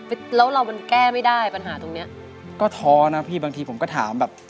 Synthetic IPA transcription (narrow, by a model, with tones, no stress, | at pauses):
flɛː˦˥wɾa˧wma˧nkɛː˥˩ma˥˩jdaː˥˩jpa˧nɦaː˩˦t̪o˧ŋni˦˥ɐ | kɔː˥˩t̪ʰɔː˧na˦˥pʰiː˥˩baː˧ŋt̪ʰiː˧pʰo˩˦mkɔː˥˩t̪ʰa̰ː˩˦mbɛː˨˩p̚